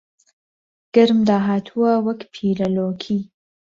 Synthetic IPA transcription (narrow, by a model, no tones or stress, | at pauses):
ɡ̥ɪɾmd̪aːɦaːt̪ʰuwɐwɐkpʰiːlɐloːkʰiː